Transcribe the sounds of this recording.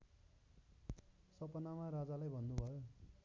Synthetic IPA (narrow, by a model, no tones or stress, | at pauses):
sʌpʌnamarad͡zalajbʱʌnːubʱʌjo